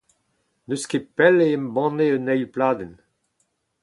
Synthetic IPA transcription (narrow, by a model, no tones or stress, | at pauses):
nøskepɛleɛmbɑ̃neənɛjlplaːd̪ɛn